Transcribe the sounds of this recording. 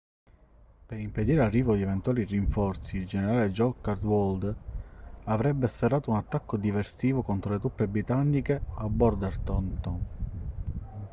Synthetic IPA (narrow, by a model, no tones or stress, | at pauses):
peɾimped̪iːɾearːiːvod̪ievent̪uaːliriɱfɔrt̪siːld͡ʒeneɾaːled͡ʒɔkard̪wɔld̪ | avɾɛbːesferːaːt̪ounat̪ːakːod̪iversiːvokɔnt̪ɾolet̪upːebɾit̪anːikeabːɔɾd̪art̪ɔnt̪ɔn